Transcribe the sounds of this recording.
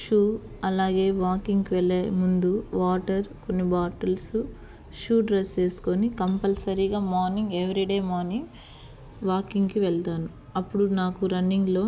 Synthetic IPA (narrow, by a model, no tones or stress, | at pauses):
ʃuː | ɐlaːɡe̞ːʋaːkiŋkiʋɛlːemund̪uʋaːʈɐɾko̞nːibaːʈɐlsu | ʃuːɖɾese̞ːsu̥konikɐmpɐlsɐɾiɡaːmɔːɾniŋɡeʋɐɾiɖeːmaːɾniŋ | ʋaːkiŋɡkiʋɛɭt̪aːnu | ɐpːuɽunaːkuɾɐnːiŋɡlo̞ː